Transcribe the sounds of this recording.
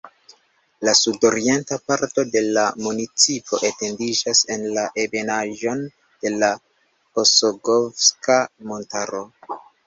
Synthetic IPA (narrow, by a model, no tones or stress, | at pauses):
lasudo̞ɾie̞ntapaɾto̞de̞lamunit͡sipo̞ʔe̞te̞ndid͡ʒase̞nlaʔebe̞naʒo̞n | d̥e̞la | po̞soɡofskamo̞ntaɾo̞